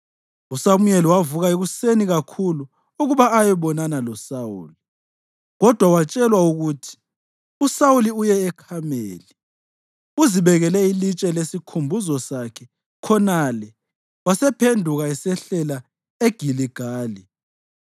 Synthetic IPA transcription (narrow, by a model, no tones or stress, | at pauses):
usamujeliwavuɣaeɣuseniɣakʰulu | uɣuβaːjɛβɔnanalɔsawṵːli | ɣɔd̥ʱwawat͡ʃʼɛlwauɣutʰi̥ | usawuliujɛːkʰamḛːli | uziβɛɣɛlɛilit͡ʃʼɛlesikʰumbʱuzɔsakʰɛ | kʰɔnalɛ | wasɛpʰendʱuɣaisɛɬɛla | eɡ̥ʱiliɡ̥ʱaːli